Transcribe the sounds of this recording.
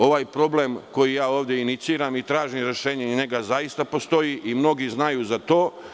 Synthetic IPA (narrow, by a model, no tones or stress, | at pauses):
o̞ʋaːjpɾo̞blemko̞jijaːo̞ːʋd̪jeinit̪siːɾamit̪ɾaːʒimɾe̞ʃe̞ːɲeɲe̞ɡazajist̪apo̞st̪o̞jiʔimno̞ɡiznajuːzat̪o̞ː